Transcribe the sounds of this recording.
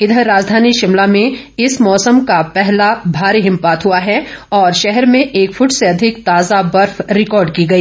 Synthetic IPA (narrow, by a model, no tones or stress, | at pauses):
ɪd̪ʱəɾaːd͡ʒd̪ʱaːniʃɪmlamẽɪsmɔːsəmkapɛɦlabʱaːɾeɦɪ̃mpaːt̪ɦuaɦɛɔːɾʃɛɦɛɾmẽʔeːkfʰʊʈseɐd̪ʱɪkt̪aːzabɐɾfɾɪkɔːɾɖkiɡɐiː